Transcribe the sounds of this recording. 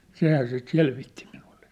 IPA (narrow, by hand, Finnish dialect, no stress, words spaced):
sehæː sit selʋitːi minul̥ːe̥